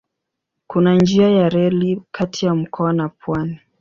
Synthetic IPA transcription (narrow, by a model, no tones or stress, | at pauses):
kunand͡ʒiajaɾɛlikʰatʰijam̩kʰɔanapwani